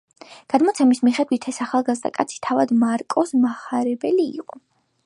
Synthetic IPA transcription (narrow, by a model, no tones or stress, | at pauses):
ɡ̥ad̪mɔt̪sʰɛmismiχɛd̪wit̪ʰɛsaχalˠɡazd̪a̰kʼat̪sʰi̥t̪ʰavad̪maɾkʼɔsmaχaɾɛbɛliḭqʼɔ